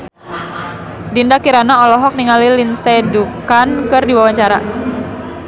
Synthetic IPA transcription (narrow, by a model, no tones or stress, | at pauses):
dindakiɾanaɔlɔɦɔk̚niŋalilinsɛdukankɨrdiwawaɲt͡ʃaɾa